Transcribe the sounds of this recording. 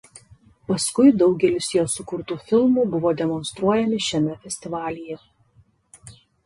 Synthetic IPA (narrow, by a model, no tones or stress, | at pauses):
pɐskʊɪd̪ɒʊɡʲɛlʲɪsjoːsʊkʊɾt̪uːfʲɪlˠmuːbʊʋoːd̪ʲɛmɔnst̪ɾuɔjɛmʲɪʃʲɛmʲɛfʲɛsʲt̪ʲɪʋɑːlʲɪjɛ